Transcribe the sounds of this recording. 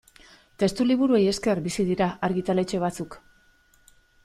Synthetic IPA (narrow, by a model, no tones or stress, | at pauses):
t̪e̞st̪uliβuɾue̞je̞ske̞rbisiðiɾaaɾɣit̪ale̞t͡ʃe̞β̞at͡suk